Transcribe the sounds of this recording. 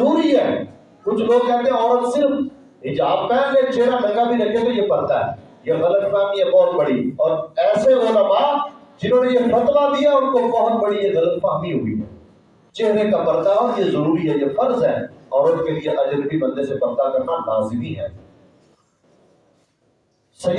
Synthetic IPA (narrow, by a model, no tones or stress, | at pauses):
ɾuːɾiɦɛː | kʊt͡ʃʰloːɡ̚kɛɦt̪eɦɛ̃ɔːɾət̪sɪɾf | ɦɪd͡ʒaːbmɛ̃ːlet͡ʃeːɽadɐ̃ŋɡabʱiɾɐkʰet̪ojepɐɾt̪aɦɛ̰ː | jeɣɐlət̪mɛ̃ːmiɦɛbɔːt̪bɐɽiɔːɾɛːseʊləmaː | d͡ʒɪnõːnejefɐt̪ʋad̪ijaʊnkobɔɦt̪bəɽijeɣɐlət̪pãːmiɦʊḭɦɛ̰ː | t͡ʃeɦɾekabəɾt̪aɔːɾjezəɾuːɾiɦɛːjefɐɾzɦɛːɔːɾʊnkelɪeʔɐd͡ʒəɾbʱibɐ̃nd̪esepɐɾt̪akɐɾnanaːzimiɦɛ̰ː | sɐj